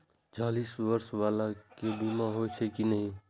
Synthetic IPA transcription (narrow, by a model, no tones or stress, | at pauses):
t͡ʃalisʋəɾsʋalakebimaɦojt͡ʃʰekinəɦĩ